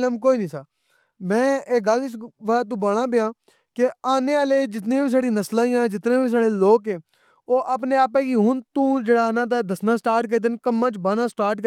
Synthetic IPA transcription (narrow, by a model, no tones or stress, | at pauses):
ləmkoːiːnĩːsaː | mɛ̃ːeːɡəlt͡ʃʋət̪̬ũːbəːɽãːbɪjãː | kɪaːneːaːleːd͡ʒɪt̪̬nẽːbiːs̬aːɽĩːnəslãːĩjãːd͡ʒɪt̪nẽːbiːs̬aːɽeːloːkeː | oːʔaːpneːaːp̬ɛ̃ːɡiːɦʊnt̪ũːd͡ʒeːɽaːnãːt̪̬ad̪əsnãːsʈaːɾʈ̚k̬əɾiːd̪ənkəmːãːt͡ʃbaːnãːsʈaːɾʈkə